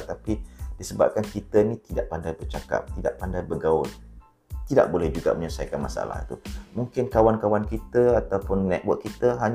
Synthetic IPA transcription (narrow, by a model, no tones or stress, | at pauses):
t̪apid̥isəba̰p̚kankit̪ənĩt̪idaʔpandajbərt͡ʃaka̰p̚t̪ida̰ʔpandajbəɡaʊn | t̪ida̰ʔ̚bolɛhd͡ʒuɡa̰məɲəsa̰jkanma̰sa̰la̰hḭt̪umuŋkɪnkawankawankit̪əat̪awpʊnːɛt̪̚wət̚kit̪əɦaɲ